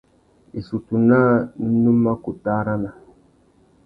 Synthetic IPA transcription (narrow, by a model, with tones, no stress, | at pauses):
i˨su˨tu˨na˦nu˦ma˦ku˨ta˦ɾa˦na˨